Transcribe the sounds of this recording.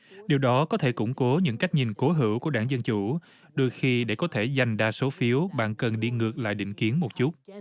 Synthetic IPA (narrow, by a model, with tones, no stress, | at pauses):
ɗi˨˩əwɗɔ˨˦kɔ˨˦t̪ʰe˧˩kʊ̰˧˥ŋ͡mko˨˦ɲɨ̰˧˥ŋka˦˥jk̟̚ɲi˨˩nko˨˦ɦɨ̰˧˩wku˧˩əɗaː˧˩ŋzə˧nt͡ɕu˧˩ | ɗo˧jxi˧ɗe˧˩kɔ˨˦t̪ʰe˧˩za˨˩jŋ̟ɗaː˧so˨˦fi˨˦əwɓa̰ː˧˨nkə˨˩nɗi˧ŋɨ˨˩ək̚la̰ː˧˨jɗḭ˧˨ŋ̟ki˨˦ənmo˨˩t̚t͡ɕu˦˥t̚